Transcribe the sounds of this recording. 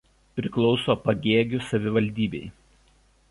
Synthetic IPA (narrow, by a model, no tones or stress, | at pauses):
pʲɾʲɪklˠɒʊsoːpɐɡʲeːɡʲʊsɐʋʲɪʋɐlʲd̪ʲiːbʲɛɪ